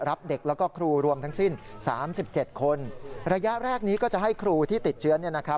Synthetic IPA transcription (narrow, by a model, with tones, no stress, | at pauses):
ɾa˦˥p̚de˨˩k̚lɛ˦˥wkɔː˥˩kʰɾuː˧ɾu˧əmt̪ʰa˦˥ŋsi˥˩nsaː˩˦msi˨˩p̚t͡ɕe˨˩t̪̚kʰo˧nɾa˧ja˦˥ʔɾɛː˥˩k̚niː˦˥kɔː˥˩t͡ɕa˨˩ɦa˥˩jkʰɾuː˧t̪ʰiː˥˩t̪i˨˩t̪̚t͡ɕʰɯ˦˥ɐni˥˩ɐna˦˥kʰɾa˦˥